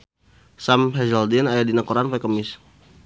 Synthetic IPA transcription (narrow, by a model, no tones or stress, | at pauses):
samɦɛzaldinajadinakoɾanpakəmɪs